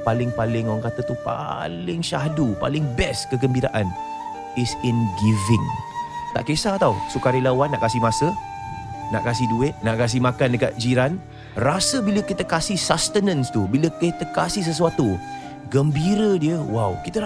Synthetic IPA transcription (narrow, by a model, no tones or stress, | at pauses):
palɪŋpalɪŋoaŋkat̪ət̪upa̰lɪŋʃaɦdupa̰lɪŋbɛskəɡəmbiɾa̰ʔan | ɪsɪnɡivɪŋt̪a̰ʔkesat̪ausukaɾilawanːaʔkasɪhmasə | na̰ʔkas̬ɪhduɪt̪̚naʔkas̬ɪhmakandəka̰t̪̚d͡ʒiɾan | rasəbiləkit̪əkasɪhsast̪ənə̃nst̪ubiləkit̪əkasɪhs̬əs̬uat̪u | ɡəmbiɾədiəwawkit̪ə